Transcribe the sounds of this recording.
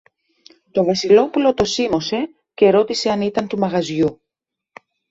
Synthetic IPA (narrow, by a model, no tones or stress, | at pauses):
t̪o̞vɐsilo̞pulo̞t̪o̞simo̞se̞ | ce̞ɾo̞t̪ise̞ɐnit̪ɐnt̪umɐɣɐzʝu